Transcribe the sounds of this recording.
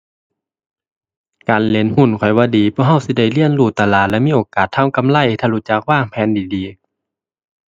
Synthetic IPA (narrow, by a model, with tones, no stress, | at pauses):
kaː˨nle˨˧˦nhu˧˥˩nkʰɔ˨˩jwaː˧˥˨diː˨pʰɔː˧˥˨hɦa˧˩wsi˧˦da˧˩˨jli˧˨ənluː˧˩t̪a˧laː˧˩t̪̚lɛ˧˨miː˧˥˨ʔoː˨˩kaː˨˩t̪ʰːa˧˥˨wka˧˦˨mla˧˥˨jt̪ʰaː˧luː˧˥˩t͡ɕa˧k̚waː˧˥˩ŋpʰɛː˧˥˨ndiː˨˦diː˨˦